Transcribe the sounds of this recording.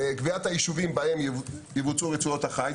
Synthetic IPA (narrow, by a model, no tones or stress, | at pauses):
kviat̪hajiʃuvimbahe̞mjevut͡suʁet͡suot̪haχaj